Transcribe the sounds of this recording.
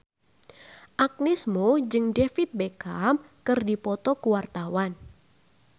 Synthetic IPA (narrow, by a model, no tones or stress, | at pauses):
ʔak̚nismod͡ʒɨŋdefit̪̚bekam | kɨrdipɔt̪ɔkuwart̪awan